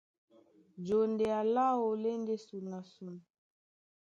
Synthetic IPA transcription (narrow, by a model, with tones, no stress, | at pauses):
d͡ʒo˨nde˨a˨la˦wo˨le˦nde˦su˨na˨su˨n˨